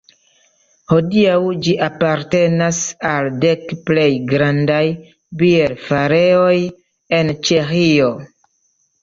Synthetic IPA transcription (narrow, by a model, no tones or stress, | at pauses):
ho̞diawd͡ʒiʔapaɾte̞nasalde̞kple̞jɡɾandaj | bieɾfaɾeo̞j | e̞nt͡ʃexio̞